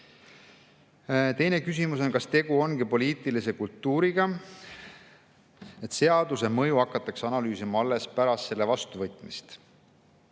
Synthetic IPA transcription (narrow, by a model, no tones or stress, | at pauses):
t̪e̞jne̞kys̬imuso̞nkɑst̪e̞ɡ̥uo̞nɡipo̞lʲiːt̪ˑilise̞kult̪ːˑuːɾiɡ̥ɑ | e̞t̪se̞ɑd̪use̞mɤ̞juɑkːˑɑt̪ːˑɑksɑnɑlyːsimɑɑlːe̞spæɾɑst̪se̞lːe̞vɑst̪uvɤ̞jt̪ˑmist̪